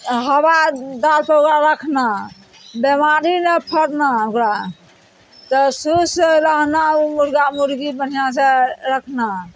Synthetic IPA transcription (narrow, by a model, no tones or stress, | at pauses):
ɦəbad̪alpəokɾaɾəkʰna | bemaɾinepʰəɽnaokɾa | t̪ɔsuseɾəɦnaumuɾɡamuɾɡibən̤ijãseɾəkʰna